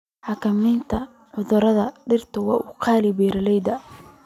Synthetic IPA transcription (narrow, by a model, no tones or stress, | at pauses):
ħɑkʰɐmɛjnt̪ʰɐ | ʕʊðʊɾɐðɐɖɪrt̪ʰɐwɑːʔʊqʰɑːlɪbɛːɾɐlɛjd̪ɐ